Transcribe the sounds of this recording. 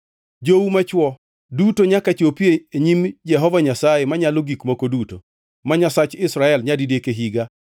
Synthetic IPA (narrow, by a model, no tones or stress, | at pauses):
d͡ʒowumat͡ʃwɔ | dutoɲakat͡ʃopieeɲimd͡ʒɛɦɔvaɲasaemaɲaloɡikmokoduto̰ | maɲasat͡ʃɪsɾaɛlɲadidekeɦiɡa